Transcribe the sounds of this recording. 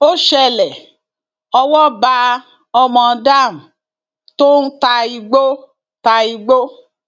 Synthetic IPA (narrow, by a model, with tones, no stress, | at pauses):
o˦ʃɛ˧lɛ˨ | ɔ˧wɔ˦ba˧ | ɔ˧mɔ̃˧da˦˨m̩˨ | to˦n̩˦ta˧i˧ɡ͡bo˦ | ta˧i˧ɡ͡bo˦